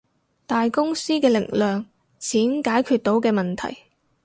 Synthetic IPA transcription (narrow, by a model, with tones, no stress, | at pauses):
t̪aː˨jkʊ˥ŋsiː˥kɛː˧lɪ˨˩k̚lœː˨ŋ | t͡sʰiː˨˥nkaː˨˥jkʰyː˧t̚t̪o˨˥wkɛː˧mɐ˨nt̪ʰɐ̰˨˩j